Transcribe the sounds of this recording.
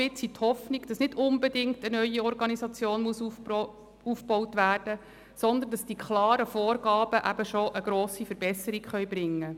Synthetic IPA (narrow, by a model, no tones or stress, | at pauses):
ɪt͡sit̪hɔfniɡd̥ɑsnɪdʊnbɛdɪŋktənœʏiɔrɡɑnisɑt͡sjoːnmuəsu | ufbɔwtʋæːrd̥ə | sɔnd̪əndɑsd̥ikʰχlɑːɾəfɔːrɡɑːb̥əʔæb̥əʃoʔəɡɾoːsifəɾbɛsəɾikχœʏbɾɪŋːə